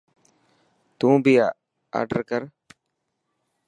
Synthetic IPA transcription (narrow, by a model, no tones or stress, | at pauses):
t̪ũːbʱijaː | a̰ːɖəɾkəɾ